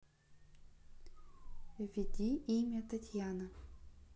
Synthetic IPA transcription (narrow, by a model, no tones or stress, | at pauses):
vʲɪd̪ʲiimʲɐt̪ɐtʲjanɐ